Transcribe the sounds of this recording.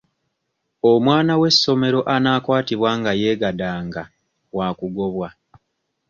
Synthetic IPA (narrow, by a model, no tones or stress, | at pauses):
omwaːnawe̞sːo̞me̞ɾo̞ʔanaːkwaːtiβwaːŋɡaje̞ːɡadaːŋɡa | waːkuɡo̞βwa